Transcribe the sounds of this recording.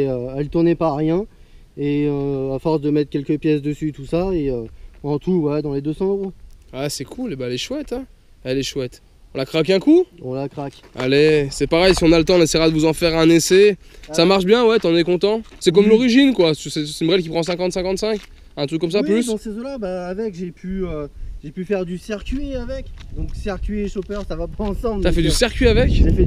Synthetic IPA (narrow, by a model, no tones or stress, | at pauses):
øɛlt̪uʁnɛpaʁjɛ̃ | eøafɔʁsd̪əmɛt̪χkʲɛlkʲəpjɛsd̪əsyt̪usaeøɑ̃t̪uwɛd̪ɑ̃led̪øsɑ̃øʁoasɛkʰulebaɛlɛʃwɛt̪ɛ | ɛlɛʃwɛt̪ | ɔ̃lakχak̬ɛ̃kuɔ̃lakχakʲ | a̰lesɛpaʁɛjsiɔ̃nalət̪ɑ̃nɛsɛjʁad̪əvuzɑ̃fɛʁɛ̃nesesamaʁʃbjɛ̃wɛt̪yɑ̃nɛkɔ̃t̪ɑ̃sɛkɔmlɔʁiʒinkwat̪ysɛynbʁɛlk̬ʲipχɑ̃s̬ɛ̃kɑ̃t̪sɛ̃kɑ̃t̪sɛ̃k | ɛ̃t̪χykːɔmsaplyssezõlabaːvɛkʒepʰyøʒepyfɛʁd̪ysɛʁkʲɥiavɛkd̪ɔ̃ksɛʁkʲɥieʃopœʁsavapaɑ̃sɑ̃blt̪afɛd̪ysɛʁkʲɥiavɛkʒefɛ